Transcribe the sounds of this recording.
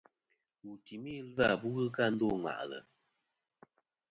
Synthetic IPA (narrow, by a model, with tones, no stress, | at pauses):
wu˨ti˨mi˦˨˦la˦˨bu˦ɣɨ˦ka˦n̩˦dɔ˦˨ŋa̰˨ʔlə̰˨